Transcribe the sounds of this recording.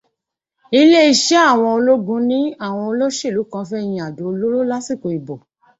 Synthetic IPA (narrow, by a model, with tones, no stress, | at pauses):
i˧le˦i˧ʃe˦a˦˨w̃ɔ̃˧o˧lo˦ɡũ˧˦nĩ˦a˦˨w̃ɔ̃˧o˧lo˦ʃe˦˨lu˨˦kã˧˦fɛ˦˧˨j̃ĩ˧˦a˨do˨o˧lo˦lo˦la˦si˦˨ko˨i˨bo˨